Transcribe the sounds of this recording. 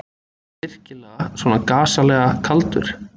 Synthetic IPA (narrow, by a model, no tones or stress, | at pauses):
ɪr̥cɪlɛːɣasvɔːnakaːsalɛːɣakʰalt̪ʏ̰ɾ̥